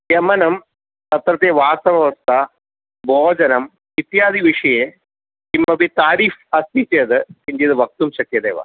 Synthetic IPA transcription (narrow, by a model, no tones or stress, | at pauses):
jɐmɐnɐm | t̪ɐt̪ɾɐt̪eʋaːsɐʋɐʋɐst̪ʰɐ | bʱoːd͡ʒɐnɐm | it̪jaːd̪ʱiʋiʂɐje | imːɐbit̪aːɾiːfɐst̪it͡ɕed̪ɨkiɲd͡ʒid̪ɨʋɐk̚t̪umɕɐkjɐd̪eːʋɐ̰